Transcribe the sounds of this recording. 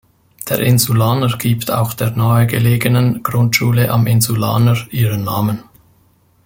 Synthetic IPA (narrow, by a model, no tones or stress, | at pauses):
d̥ḛːɐɾʔɪnzulaːnəɹɡ̥iːptʰa̰ʊxd̥eːɐnaəɡəleːɡənənɡ̥ʁʊntʃuːləʔɑ̰mɪnzula̰ːnəɹʔiːʁənːaːmən